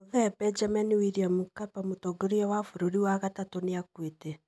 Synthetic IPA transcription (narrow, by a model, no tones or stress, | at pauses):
oðɛbɛd͡ʒamaniwiɾiamukapamotɔɡoɾiɔwafoɾoɾiwaɣatatoneakwete